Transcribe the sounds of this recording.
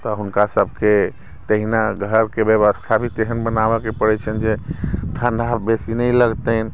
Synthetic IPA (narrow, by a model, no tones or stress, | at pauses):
t̪ɔɦunkasəbʱke | t̪əɦinaɡʱəɾkebjəʋəst̪ʰabʱit̪eɦənbənabɛkepəɽɛt͡ʃʰənd͡ʒeʈʰãnɖʱabesinəjləɡt̪ən